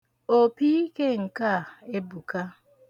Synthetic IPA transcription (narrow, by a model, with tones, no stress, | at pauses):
o˨pi˦i˦ke˦ŋ̩˨ka˦˨e˦bu˨ka˦